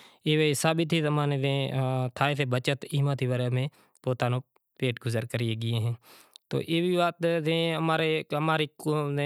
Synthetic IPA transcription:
eːʋeːsaːɓit̪iːzəmãːnẽd̪ẽːt̪ʰaːeːt̪ʰeːbət͡ʃət̪iːmat̪ʰiːʋaɾemẽː | poːt̪aːnõː | peːʈɡʊzəɾkəɾiːeːɡɪjẽːɦẽːt̪o̰ːʔeːʋiːʋaːt̪d̪ẽːəmaːɾeːəmaːɾiːkːe

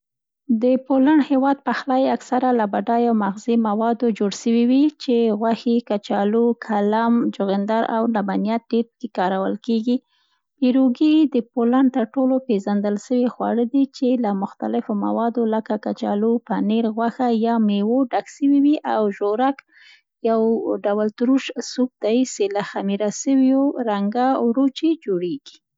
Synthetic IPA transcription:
d̪əpolaɳhewɑd̪̚paxlɑjaksaɾalabaɖɑjawmaɣzimawɑd̪od͡ʒoɽʃəwiwit͡ʃeɣwaxikat͡ʃɑlukʰalamd͡ʒʊɣɪnd̪ɑɾa̰wnabanijat̪̚ɖeɾpəkekɑɾawəlkeɡi | piɾoɡid̪əpolaɳt̪əɾʈolopeʒand̪əlʃəwexwa̰ɽəd̪it͡ʃelamʊxt̪alɪfoma̰wɑd̪oləkakat͡ʃɑ̰lopaneɾɣwaxajɑmewoɖaksəwiwiʔawʒoɾak | jawɖawəlt̪ɾuʃsuk̚d̪̥ajselaxamiɾasəwjoɾaŋɡawɾot͡ʃed͡ʒoɽeɡi̥

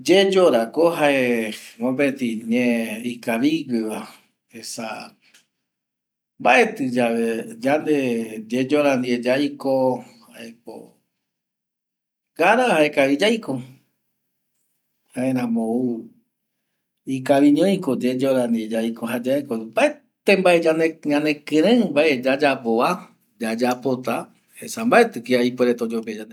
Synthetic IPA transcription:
d͡ʒed͡ʒoɾakoɦaemõbet̪ĩɲẽikaβiɡɨβa | esa̰ | mbaʔe̞t̪ɨd͡ʒaʋed͡ʒand̪ed͡ʒed͡ʒoɾand̪ied͡ʒajkohaʔek̚o̰ | ɡaɾahaekaβid͡ʒajko | haeɾãmou | ikaβĩɲõĩkod͡ʒed͡ʒoɾand̪ied͡ʒajkoɦad͡ʒaekombaʔe | t̪ẽmbaed͡ʒaneɲãnẽkɨ̃ɾẽbaʔed͡ʒad͡ʒapoa | d͡ʒad͡ʒapot̪a | hesambaʔet̪ɨkiaipeɾet̪od͡ʒoped͡ʒand̪e

